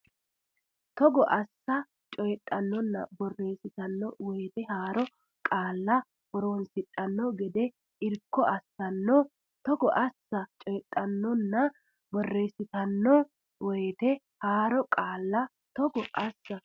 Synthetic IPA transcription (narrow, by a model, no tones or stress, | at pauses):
t̪ɔɡɔʔɐsːɐ | t͡ʃʼɔjt̪ʼːɐnːɔnːɐ̰bɔrːe̞ːsɪt̪ɐnːɔwɛjt̪ɛhaːɾɔ | kʼaːlːɐ | wɔɾoːnsɪtʼːɐnːɔɡɛd̪ɛ | ɪɾkːɔʔɐsːɐnːɔ | t̪ɔɡɔʔɐsːɐt͡ʃʼɔjɛtʼːɐnːɔnːɐ | bɔrːeːsɪt̪ɐnːɔ | wɛːt̪ɛ | haːɾɔkʼaːlːɐ | t̪ɔɡɔʔɐsːɐ